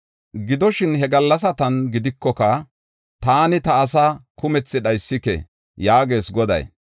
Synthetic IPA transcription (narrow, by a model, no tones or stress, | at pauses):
ɡɪd̪ɔʃɪnɦɛɡɐlːɐs̬ɐt̪ɐnɡɪd̪ɪkːɔkɐ | t̪aːnɪt̪ɐːsakʊmɛt͡sːɪɗɐjsːɪkɛ̰ | jaːɡe̞ːsɡɔd̪ɐ̰j